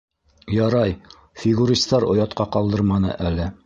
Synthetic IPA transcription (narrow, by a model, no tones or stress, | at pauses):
jɑɾɑj | fʲɪɡuɾʲist̪ɑɾŏjɑt̪qɑqɑlˠd̪ɤɾmɑnɤ̰ʔælɘ